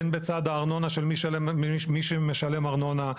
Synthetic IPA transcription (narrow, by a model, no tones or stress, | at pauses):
nbet͡sad̪aːʁno̞naʃeliʃmiʃemeʃalemaʁno̞na